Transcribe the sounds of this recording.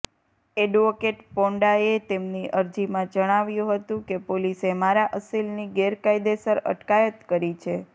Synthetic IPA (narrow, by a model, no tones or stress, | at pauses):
eɖʋokeʈpɔ̃ɳɖaet̪emniʔəɾd͡ʒimãd͡ʒəɽ̃aʋjũɦət̪ũkepolisemaɾaʔəsilniɡeɾkaid̪esəɾə̰ʈkajət̪kəɾit͡ʃʰe